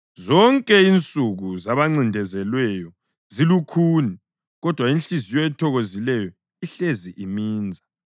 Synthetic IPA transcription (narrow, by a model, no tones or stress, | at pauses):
zɔŋkʼɛint͡sʼuɣuzaβaŋ͡ǀindʱɛzɛlwɛjɔ | zilukʰuːni | ɣɔd̥ʱwaint͡ɬizijɔɛtʰɔɣozilɛjɔ | iɬeziʔimiːnd͡zʱa